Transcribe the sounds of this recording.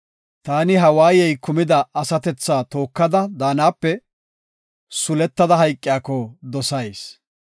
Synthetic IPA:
t̪aːnɪɦɐwaːjɛjkʊmɪd̪ɐɐsɐt̪ɛt͡sːaːt̪o̞ːkːɐd̪ɐd̪aːnaːpːɛ | sʊlɛt̪ːɐd̪ɐɦɐjkʼːɪjaːkːɔd̪ɔsɐjs

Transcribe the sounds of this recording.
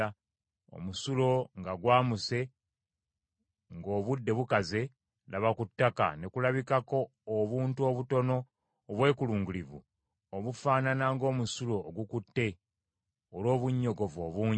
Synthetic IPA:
o̰musulo̞ŋɡaɡwaːmuse̞ | ŋɡo̞ːβudːe̞βukaze̞ | lʔaβakutːaka̰nekulaβikako̞ː | βuːntuo̞βuto̞no̞ː | βwe̞ːkuluːŋɡulivṵ | oβufaːnanaŋɡo̞ːmusulo̞ːɡukutːe̞ | olo̞ːβuɲːo̞ɡo̞vo̞ːβuːɲ

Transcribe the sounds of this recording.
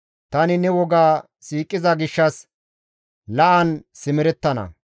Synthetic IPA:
t̪ɐnɪnɛwɔɡaː | siːkʼːɪzɐɡɪʃːɐs | lɐʔɐnsɪmɪɾɛt̪ːɐnɐ̰

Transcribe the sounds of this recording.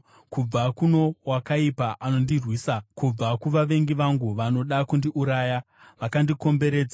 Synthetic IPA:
kub͡vakuno̞wakaipaʔano̞ndirwiːsakub͡vakuʋaʋe̞ŋɡiʋaŋɡuʋano̞ɗakundiʔuɾaːja | ʋakandiko̞mbe̞ɾeːd͡za

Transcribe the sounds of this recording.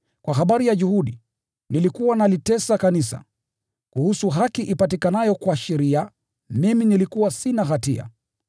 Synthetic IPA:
kwaɦaɓaɾijaʄuhuɗi | nilikuwanalitɛsakanisa̰ | kuhusuɦakiʔipatikanajɔkwaʃɛɾia | miminilikuwasinaɣatia̰

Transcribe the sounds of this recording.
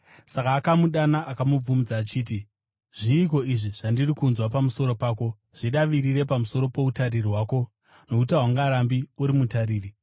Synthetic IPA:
sakaːkamuɗanaʔakamub͡vumud͡zaːt͡ʃiːti | ʐiːk̬o̞iʐiʐ̥andirikunzwapamuso̞ɾo̞paːko̞ | ʐ̥iɗaʋiɾiɾe̞pamuso̞ɾo̞po̞utaririɦwaːko̞ | no̞kutaɦwaŋɡaːɾambiuɾimutaɾiːri

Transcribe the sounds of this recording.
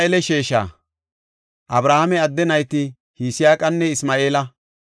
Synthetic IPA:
ɛlɛʃeːʃa̰ː | ʔɐbɾaːhɐmɛɐd̪ːɛnɐjt̪ɪ | hiːsɪjaːkʼɐnːɛɪsmaːe̞ːlɐ

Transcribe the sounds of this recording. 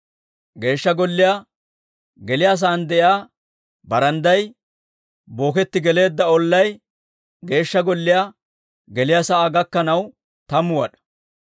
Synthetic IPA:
ɡe̞ːʃːɐɡɔlːɪja | ɡɛlɪjaːs̬aːnd̪ɛʔɪaː | bɐɾɐnd̪ɐj | bo̞ːkɛt̪ːɪɡɛle̞ːd̪ːɐɔlːɐj | ɡe̞ːʃːɐɡɔlːɪjaː | ɡɛlɪjasɐʔaːɡɐkːɐnɐw | t̪ɐmʊwɐ̰ɗɐ̥

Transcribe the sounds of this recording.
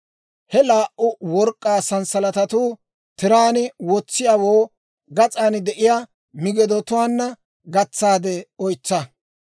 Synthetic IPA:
hɛlaːʔʔʊwɔɾkʼːaːsɐnsɐlɐt̪ɐt̪uː | t̪ɪɾaːnɪwɔt͡sːɪjawoː | ɡɐt͡sʼaːnd̪ɛʔɪjaː | mɪɡɛd̪ɔt̪ʊwaːnːɐ | ɡɐt͡sːaːd̪ɛɔjt͡sːɐ

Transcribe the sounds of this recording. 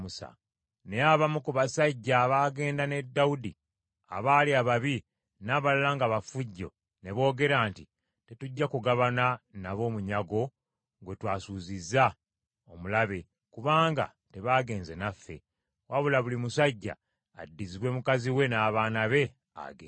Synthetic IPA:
usa̰ | ne̞jaːβamukuβasaɟːaβaːɡe̞ːndane̞dːaudi | a̰βaːliaβaβi | naːβalulaŋɡaβafuɟːo̞̰ | ne̞βo̞ːɡe̞ɾaːnti | te̞tuɟːakuɡaβananaβo̞ːmuɲaɡo̞ | ŋɡwe̞twaːsuːzizːa | o̞mulaβe̞ | kuβaːŋɡa̰ | te̞βaːɡe̞ːnze̞nafːe̞̰ | waβulaβulimusaɟːa̰ː | dːiziβwe̞mukaziwe̞naːβaːnaβe̞ | a̰ɡeː

